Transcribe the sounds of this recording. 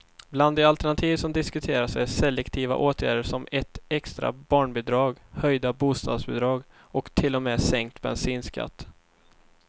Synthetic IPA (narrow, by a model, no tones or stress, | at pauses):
bland̪ɛalt̪ɛɳat̪ʰiːvsɔmd̪ɪskɵt̪ʰeːɾaʂɛjsɛlɛkt̪ʰiːva̰ʔoːt̪ʰjæ̰ːɖəʂɔmɛt̪ɛkst̪ɾa̰bɑːɳbɛd̪ɾɑːɡhœjd̪abuːst̪ɑ̰ːd̪sbɛd̪ɾɑːɡ | ɔkt̪ʰɪlːɔmɛːsɛŋkt̪bɛ̰nsiːnskʰa̰t̪ː